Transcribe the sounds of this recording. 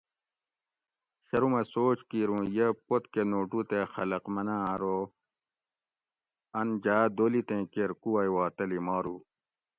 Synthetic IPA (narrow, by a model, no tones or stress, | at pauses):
ɕɐɾumɐsoːt͡ɕkiɾũjepot̪kenoːʈut̪exɐlɐqmɐnaɐɾo | ɐnd͡ʑaːd̪oːlit̪ẽkeɾkuwɐjwaːt̪ɐlimaːɾu